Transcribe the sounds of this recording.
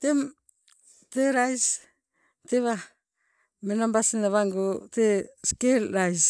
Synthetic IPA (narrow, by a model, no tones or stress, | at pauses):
tem | teɾajs | teβa | menambasinaβaŋɡoteskelɾajs